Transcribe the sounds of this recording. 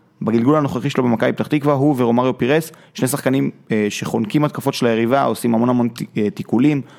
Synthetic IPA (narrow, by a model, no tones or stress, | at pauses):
baɡilɡulano̞χaχiʃelobemakajpt̪aχt̪ikvaʁɦuveʁo̞maʁjo̞piʁes | ʃnesaχkanimʃe̞χo̞nkimat̪̚kafo̞tʃelaje̞ʁivaosimamo̞namo̞nt̪ikulim